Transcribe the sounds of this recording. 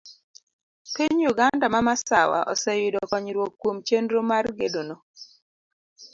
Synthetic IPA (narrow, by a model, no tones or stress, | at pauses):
piɲjuɡandamamasawa̰ʔɔ̰sɛjɪdɔkɔɲɾwokːwomt͡ʃendɾomarɡedonɔ